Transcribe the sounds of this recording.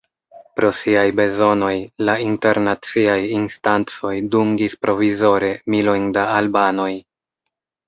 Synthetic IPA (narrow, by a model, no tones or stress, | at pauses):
pɾo̞siajbe̞zo̞no̞jlainte̞ɾnat͡siajinstant͡so̞jduŋɡispɾʔo̞vizo̞ɾe̞milo̞jndaːlbano̞j